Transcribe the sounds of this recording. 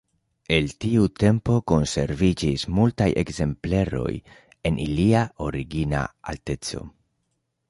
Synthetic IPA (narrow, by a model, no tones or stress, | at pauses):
e̞ltiute̞mpo̞ko̞nse̞̰ɾvid͡ʒismultajʔe̞kze̞mple̞ɾo̞̰j | e̞nʔiliao̞ɾiɡina̰a̰lte̞t͡so̞̰